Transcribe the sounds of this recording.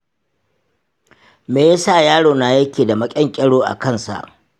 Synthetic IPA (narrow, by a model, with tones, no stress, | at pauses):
meː˨je˦saː˦˨jaː˦ɽoː˨naː˨jɐ˦kʲeː˨da˨mɐ˦kʲʼɛ˦ŋkʲʼɛ˦ɽoː˦ʔa̰˨kɐ˦˨nsa̰˨ʔ